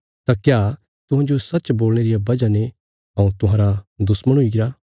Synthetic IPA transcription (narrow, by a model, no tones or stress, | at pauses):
t̪akjaː | t̪ʊ̃ɦãːd͡ʒosɐtːt͡ʃboːlɽ̃eːɾijabɐd͡ʒane | ɦɐ̃ũt̪ʊɦãːɾad̪ʊsməɽ̃ɦʊiɡɪɾaː